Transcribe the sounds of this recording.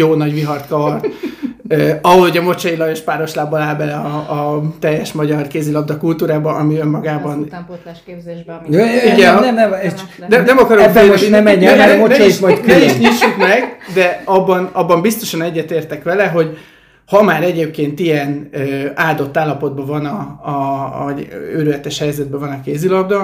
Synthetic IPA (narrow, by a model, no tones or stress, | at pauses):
joːnɒɟʋiɦɒrt̪kɒɒrt̪øɒɦolhoɟɒmo̞t͡ʃɒjilɒjeʃpaːɾo̞ʃlaːbolaːlbɛlɛɒːt̪ɛjːɛʃmɒɟɒrkeːzilɒbd̪ɒkult̪uːɾaːbɒʔɒmiømːɒɡaːbɒn | iɡɛɛnɛnɛnɛmɒkɒɾoɛfonɛmɛɲːɛɛmont͡ʃːɔiiʃmɒjt̪køɛiʃɲiːʃukmɛɡd̪ɛɒbːɒnɒbːɒmbist̪o̞ʃɒnɛɟːɛt̪eːrt̪ɛkʋɛlɛɦo̞ɟ | hɒmaːɾɛɟeːp̚keːnt̪ijɛnøaːd̪o̞t̪ːaːlːɒpo̞d̪̚bɒvɒnɒ | ɒøɾylɛt̪ɛʃhɛjzɛd̪̚bɛvɒnɒkeːzilɒbd̪ɒ